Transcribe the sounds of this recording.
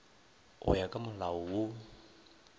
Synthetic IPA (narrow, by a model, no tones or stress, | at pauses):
ʔɔ̰jakamlawwu